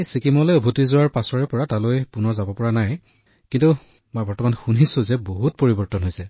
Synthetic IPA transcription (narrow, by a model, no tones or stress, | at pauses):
jsikimɔlojɔbʱutizʊwaɹpasɔɹɛpɔɹatalojpʊnɔɹzabɔpɔɹanaj | kintu | mɔjbɔɹtɔmanxunisʊ̃zɛboɦut̚poɹibɔɹtɔnɦojsɛ